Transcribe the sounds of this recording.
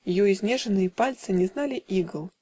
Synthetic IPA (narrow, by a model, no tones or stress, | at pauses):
jɔjizʲnʲɛʐɐnɨjɛpalʲt̪sɨnʲɛznalʲiʔiɡɐlˠ